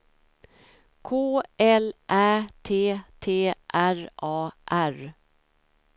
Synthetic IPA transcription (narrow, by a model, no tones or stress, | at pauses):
kʰoːɛlʔæːt̪ʰeːt̪ʰeːʔæɾʔɑːʔæɾ